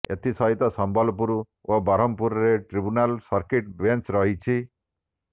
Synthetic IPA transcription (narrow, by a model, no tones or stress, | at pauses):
et̪isɔɦit̪ɔsɔmbɔlpuɾu | obɔɾɔmpuɾɔɾeʈɾibunalsɔɾkiʈbent͡ʃɾɔɦit͡ʃʰi